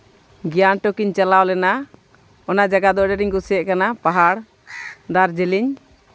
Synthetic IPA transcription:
ɡijanʈɔkiɲt͡ʃalawlɛna | ɔnad͡ʒaɡad̪ɔʔɖɛɾiɲkusjɛʔ̚kanapaɦaɽ | d̪aɾd͡ʒɛliɲ

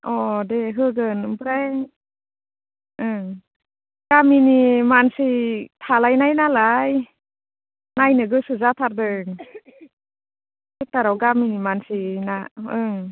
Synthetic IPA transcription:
ɔdeɦɯɡɯnɯmpɾaj | ɯ | ɡ̥aminimansijtʰalajnajnalaj | najnɯɡɯsɯzatʰaɾdɯŋ | sek̚taɾawɡaminimansinaɯŋ

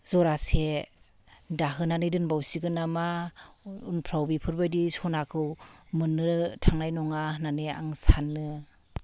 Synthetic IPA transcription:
zɔɾase | daɦɯnanɯjdɯnbawsiɡɯnama | unpʰɾawbipʰɯɾbajdisɔnakʰɯwmɯnːɯtʰaŋnajnɔŋananea̰ŋsanːɯ

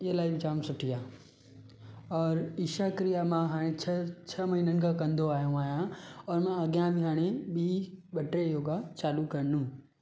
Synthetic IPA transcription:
ɪɦəlaːibɪd͡ʑaːmsʊʈʰijaː | ɔːɾiːʃakɾijamãɦaːɽ̃et͡ɕʰɐt͡ɕʰɐmɐɦinənɪ̆kʰãkɐ̃nd̪oaːɦjũaːɦijãɔːɾmãɐɡijãbɪɦaːɽ̃eɓiːɓɐʈɾejoːɡat͡ɕaːlukɐɾənũ

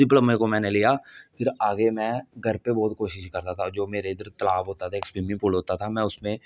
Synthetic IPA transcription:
ɪpləmẽkomɛ̃ːnelijapʰɪɾaːɡemɛ̃ɡʱəɾpebɔːt̪̚koːʃɪʃkɐɾt̪at̪ʰad͡ʒoːmeːɾed̪əɾt̪ɐlaːbɦoːt̪at̪ʰaekspiːmɪ̃pʊlɦoːt̪at̪ʰamɛ̃ːʊsmẽ

